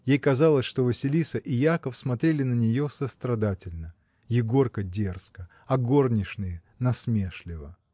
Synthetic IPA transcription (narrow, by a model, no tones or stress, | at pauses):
jejkɐzɑlˠəsʲʂt̪o̞vəsʲɪlʲisəʔɪjakəfsmɐt̪ɾʲelʲɪnənʲɪjo̞səst̪ɾɐd̪atʲɪlʲnə | jɪɡo̞rkədʲe̞rskə | ɐɡo̞rnʲɪʂnɨjə | nɐsmʲeʂlʲɪvə